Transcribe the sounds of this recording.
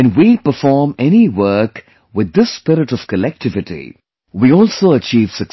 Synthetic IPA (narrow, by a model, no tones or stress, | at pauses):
ɨ̃nwipəfɔːɾmɛñiwɜk | wɪd̪ːɪspɪɾɪʈɔv̥kəlɛk̚tɪvɪʈḭ | wiɔːlsoːət͡ʃiːv̥sək